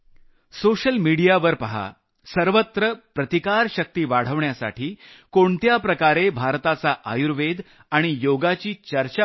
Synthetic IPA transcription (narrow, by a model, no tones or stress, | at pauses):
soɕəlmiɽijaʋəɾpəɦa̰ | səɾʋət̪ɾəpɾət̪ikaɾɕək̚t̪iːʋaɽ̤əʋɳjasa̰ʈʰiːkoɳt̪japɾəkaɾebʱaɾt̪at͡saʔajuɾʋed̪ʱ | aɽ̃ijoɡat͡ɕiːt͡ɕəɾt͡ɕa